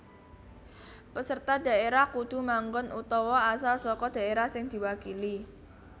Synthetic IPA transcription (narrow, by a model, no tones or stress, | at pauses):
pəsərt̪ad̥a̤ʔeɾahkud̪̥ṳmaŋɡʊnʔut̪ɔwɔasalsɔkɔd̥a̤eɾahsɪŋd̪̥i̤wakili